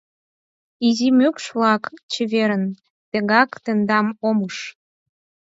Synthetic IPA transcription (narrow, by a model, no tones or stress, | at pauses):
izimøkʃβlɑkt͡ɕəβeɾən | t̪ə̆ɣɑkt̪ə̆nd̪ɑmoməʃ